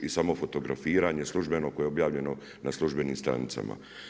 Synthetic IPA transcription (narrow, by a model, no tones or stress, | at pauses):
isamo̞fo̞t̪o̞ɡɾa̰fiːɾaɲe̞slˠuʒbe̞no̞kojeobjaːʋʎe̞no̞ | naslˠuʒbe̞nimst̪ɾa̰nit̪sa̰ma̰